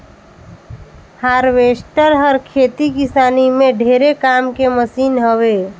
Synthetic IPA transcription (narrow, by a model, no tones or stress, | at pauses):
haːɾʋeːsʈəɾɦəɾkʰeːt̪ikɪsaːnimẽɖʱeːɾekaːmkeməsiːnɦəweː